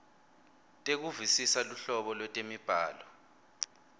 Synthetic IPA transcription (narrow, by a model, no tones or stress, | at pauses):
tʼek̬uvisisaluɬɔɓɔlwɛtʼemib̥ʱaːlɔ